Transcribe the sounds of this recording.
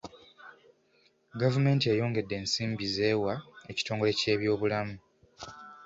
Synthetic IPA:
ɡavume̞ːntiejo̞ːŋɡe̞dːe̞ːnsiːmbize̞ːwae̞ci̥to̞ːŋɡo̞le̞ce̞ːβjo̞ːβulamu

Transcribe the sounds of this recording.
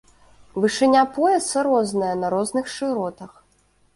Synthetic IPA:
vɨʂɨnʲapɔjɛsɐɾɔznɐjɐnɐɾɔznɨxʂɨɾɔt̪ɐx

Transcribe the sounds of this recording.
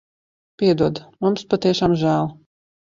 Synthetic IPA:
pʲiɛd̪uɔd̪mumspat̪iɛʃaːmʒæːlˠ

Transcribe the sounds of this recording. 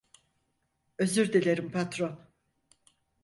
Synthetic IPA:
ø̞zyɾd̪elʲeɾimpʰat̪ɾon

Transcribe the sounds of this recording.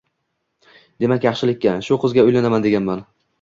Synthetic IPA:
d̪̥e̞makʲjɑχʃɪlɪkʲːaʃʊqʰɨzɡʲaʊjlanamand̪e̞ɡʲanman

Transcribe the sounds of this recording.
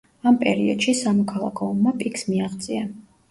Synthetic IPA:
ampʼɛ̰ɾiɔd̪̥ʃisamɔkʰalˠa̰kʰɔɔmːapʼikʰsmiaʁt̪sʼia

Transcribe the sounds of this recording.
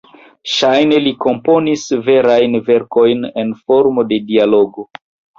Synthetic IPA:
ʃajne̞liko̞mpo̞nisve̞ɾajnve̞ɾko̞jne̞nfo̞ɾmo̞de̞dialo̞ɡo̞

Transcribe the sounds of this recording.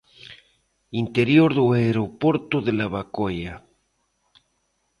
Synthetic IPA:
int̪eɾjoɾðoaeɾopwoɾt̪oðelaβakoja

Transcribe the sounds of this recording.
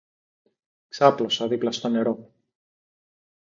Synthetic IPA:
ksɐplo̞sɐðiplɐst̪o̞ne̞ɾo̞

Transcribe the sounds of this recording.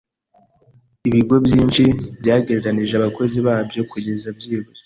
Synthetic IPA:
iβiɡo̞bjiːnt͡ʃibɟaːɡeɾeɾaniʒeaβako̞ziβaːbjo̞kuɟezabjiːɡo

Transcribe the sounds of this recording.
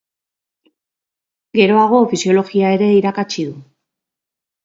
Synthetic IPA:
ɡe̞ɾo̞aɣ̞o̞fisio̞lo̞ɣiae̞ɾe̞iɾakat͡ʃiðu

